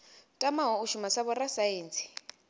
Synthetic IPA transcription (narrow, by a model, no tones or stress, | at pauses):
tʼamaɦɔuʃumasaβɔrasajeːnt͡sʼi̥